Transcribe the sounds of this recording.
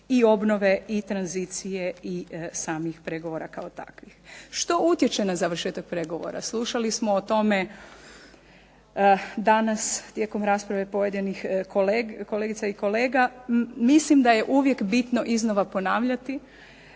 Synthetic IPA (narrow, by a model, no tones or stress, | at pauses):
io̞bno̞ʋe̞it̪ɾanzit̪sijeisaːmixpɾe̞ɡoʋo̞ɾakaot̪a̰kʋixʃt̪o̞ut̪jet͡ʃe̞nazaʋɾ̩rʃeːt̪ak̚pɾe̞ɡo̞ʋo̰ɾa̰slˠuʃalismoːt̪o̞me̞ | d̪anast̪je̞ːko̞mɾaspɾaʋe̞po̞je̞d̪inixkolko̞leɡit̪saiko̞le̞ːɡamislimd̪aje̞ʔuʋje̞kbit̪no̞ʔizno̞ʋapo̞naːʋʎat̪i